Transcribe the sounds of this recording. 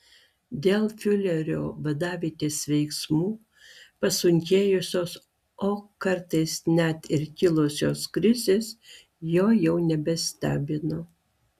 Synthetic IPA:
d̪ʲeːlˠfʲʊlʲɛɾʲoːʋɐd̪ɑːʋʲiːt̪ʲeːsʋʲɛɪksmuː | pɐsʊŋʲkʲeːjʊsʲoːs | oːkɐɾt̪ɐɪsnʲæt̪ɪɾkʲɪlˠosʲoːskɾʲɪzʲeːs | joːjɛʊnʲɛbʲɛsʲt̪ʲæːbʲɪnoː

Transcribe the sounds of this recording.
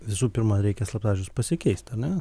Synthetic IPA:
ʋʲɪsuːpʲɪɾmɐɾʲɛɪkʲɛslˠɐpzɑːʒʲʊspɐsʲɪkʲɛɪsʲt̪ʲɐɾʲnʲɛ

